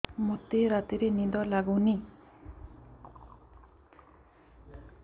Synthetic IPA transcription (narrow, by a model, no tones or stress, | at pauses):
mɔt̪eɾat̪iɾenid̪ɔlaɡuwni